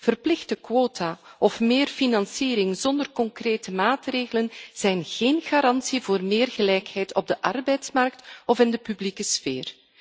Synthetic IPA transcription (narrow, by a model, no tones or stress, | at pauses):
v̥ərplɪxtəkwoːtʰaːʔɔfmɪːrfinɑnsiːɾɪŋzɔndərkɔŋkreːtəmaːtreːɣələnz̥ɛjnɣ̥eːnɣaːɾɑnsivoːrmeːrɣəlɛjkhɛjtɔb̚dəʔɑrbɛjtsmɑrk̚tɔvɪndəpyblikəsfeːr